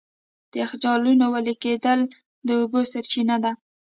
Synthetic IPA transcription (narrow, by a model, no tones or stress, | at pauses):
d̪̥əɪxd͡ʒɑlunowaleked̪əl | d̪əobosaɾt͡ʃinad̪a